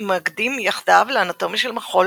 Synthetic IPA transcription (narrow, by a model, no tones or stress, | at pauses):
maɡd̪imjaχd̪avleanat̪o̞mjiʃelmaχo̞l